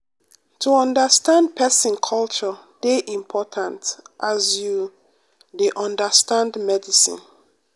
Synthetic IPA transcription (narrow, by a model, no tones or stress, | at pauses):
tʰuɔ̃ndəstãndpʰɛsĩnkʰɔlt͡ʃɔd̥eʔĩmpʰɔtʰãntʔazju | deʔɔ̃ndəstãndmɛdisḭ̃n